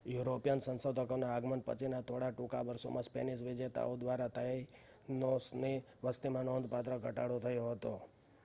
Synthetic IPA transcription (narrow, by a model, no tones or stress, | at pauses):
juɾopijənsə̃nsəd̪ʱəkonaːɡmənpə̰t͡ʃʰinat̪ʰoɽaʈukaʋəɾso̰mãspḛnisʋɪd͡ʒet̪a̰od̪ʋaɾat̪a | nosni | ʋəst̪imãnond̪ʱpat̪ɾəɡʱəʈa̰ɽot̪ʰəjoɦət̪o